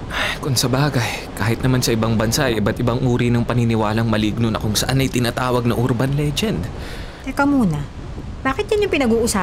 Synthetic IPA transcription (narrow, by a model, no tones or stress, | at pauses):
ʔajkʊŋsɐbaːɡɐjkaːhɪt̪̚nɐmansɐʔɪbaŋbɐnsaʔɐjʔɪbɐt̪ʔɪbaŋʔuːɾinɐŋpɐnɪnɪwaːlɐŋmɐliɡ̚nonɐ̰kʊŋsɐʔanɐjt̪ɪnaːt̪aːwɐɡ̚nɐʔʊɾbɐnlɛd͡ʒɛnd̪ | t̪ɛkɐmuːnɐ | b̥aːkɪt̪jɐnjʊŋpɪnɐɡuːʔʊsaː